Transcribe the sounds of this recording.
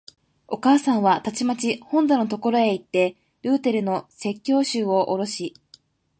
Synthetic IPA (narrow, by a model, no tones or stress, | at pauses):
o̞kaːsãɰ̃βat̪at͡ɕimat͡ɕihõ̞nd̪ano̞t̪o̞ko̞ɾo̞e̞it̪ːe̞ | ɾɯ̟ːt̪e̞ɾɯ̟no̞se̞kʲːo̞ːɕɨːo̞ʔoɾo̞ɕi